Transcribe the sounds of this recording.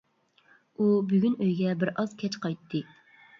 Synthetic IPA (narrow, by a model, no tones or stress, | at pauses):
ubyɡʲynøjɡʲɛbɪɾɑz̥kʲʰɛt͡ʃqʰɑjt̪ʰːɨ